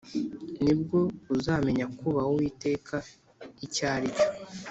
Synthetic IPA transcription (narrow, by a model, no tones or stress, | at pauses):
nib̚ɡo̞uzaːme̞ɲakuβahowiːte̞ːkʰa | icaːɾico